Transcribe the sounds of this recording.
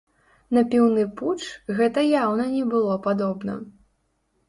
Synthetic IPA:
nɐpʲiwnɨput͡ʂɣɛt̪ɐjawnɐnʲɛbɨlˠɔpad̪ɔbnɐ̰

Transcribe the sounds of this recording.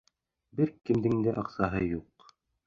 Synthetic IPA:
bɘɾkɘ̆md̪ɘ̆ŋd̪ɘʔɑqsɑɦɤjuq

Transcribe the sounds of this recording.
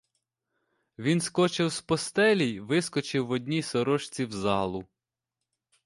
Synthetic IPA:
ʋʲinskɔt͡ʃɪwspɔst̪ɛlʲijʋɪskɔt͡ʃɪwːɔdʲnʲisɔɾɔʃt͡sʲiwzɑlˠʊ

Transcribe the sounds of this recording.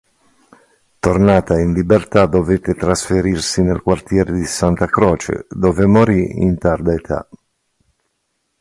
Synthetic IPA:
t̪ornaːt̪ainlibert̪ad̪ovet̪ːet̪ɾasfeɾirsinelkwart̪jɛːɾed̪isant̪akɾɔːt͡ʃḛd̪ɔːvemoɾiḭnt̪ard̪aet̪ʰa̰

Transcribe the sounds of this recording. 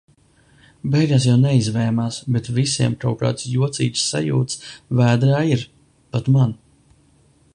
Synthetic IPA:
bɛjɡaːs̬jawnɛizvɛːmaːsbɛt̪visiɛmkawka̰ːt̪sjuɔt̪sḭːt͡ʃ̪sːa̰jṵːt̪svæːd̪ɾaːiɾ | pat̪man

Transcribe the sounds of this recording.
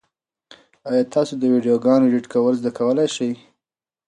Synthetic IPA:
ɑjɑt̪ʰɑsod̪əwiɖijoɡɑnoɖiʈkawəlzd̪akawəlajʃaj

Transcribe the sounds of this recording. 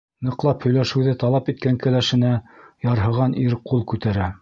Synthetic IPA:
nɤ̆qlˠɑphɵ̆jlæʃɘ̆wðɘt̪ɑlˠɑpit̪̚kæŋkæ̆læʃɘ̆næjɑɾɦɤ̆ʁɑnʔiɾqulˠkʉt̪æɾæ

